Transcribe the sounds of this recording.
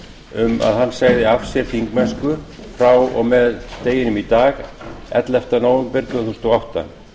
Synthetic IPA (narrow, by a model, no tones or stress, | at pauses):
ʏma̰ðhanːsaːɣðɪafsjɛɾ̥θiŋkmɛnskʏ | fɾawɔ̰ɣmɛðt̪eːjɪnʏmit̪aːɣɛ̰t̪lɛft̪anoːwʏmpɪɾt̪vaθuwst̪ɔawht̪a̰n